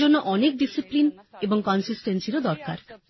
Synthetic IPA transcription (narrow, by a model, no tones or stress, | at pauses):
onːoʔɔnek̚ɖisiplineboŋkɔnsisʈensiɾod̪ɔɾka̰ɾ